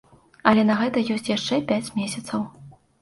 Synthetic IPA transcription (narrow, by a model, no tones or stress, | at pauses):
ɐlʲɛnɐɣɛt̪ɐjɔsʲt͡sʲjaʂt͡ʂɛpʲat͡sʲmʲesʲɐt̪sɐw